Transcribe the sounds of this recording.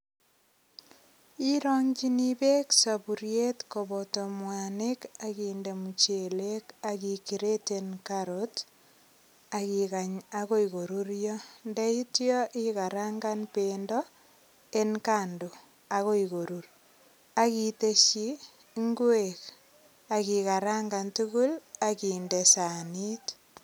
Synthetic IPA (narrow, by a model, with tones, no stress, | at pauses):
i˦ɾɔŋd͡ʒi˦nibe˦ksa˨bu˨ɾje˦tkobɔto˨mwane˦kakiːnde˨mut͡ʃe˨le˦ka˨ki˨ki˨ɾe˦tenkaɾot | a˨ki˨ɣa˨ɲaɣo˦i˨ɣo˨ɾuɾjɔ˦ndɛ˦i˦tjɔ˦ʔika˨ɾaŋɡa˦npeːndɔ˦ | e˦nkando˨ | a˨ɣo˦iɣo˨ɾur | a˦kite˦ʃi˦ | ŋɡwek | a˨kika˨ɾaŋɡa˨ntu˦ɣu˦lakiː˨nde˨sa˨ni˦t